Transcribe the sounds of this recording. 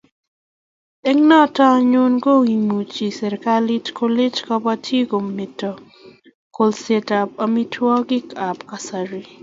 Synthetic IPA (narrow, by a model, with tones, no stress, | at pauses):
ɛ˦ŋnɔ˦ta˦ɲʊ˦nɡo˦wi˨mu˨t͡ʃi˨sɛ˨ɾka˦li˦tkʰo˦le˦t͡ʃkɔ˦pa˦tʰje˦ko˨mːe˨tɔ˨ | ko˨lse˦ta˨p̚a˨mi˦tʰwɔ˦ɡɪ˦ka˨pka˨sa˨ɾi˨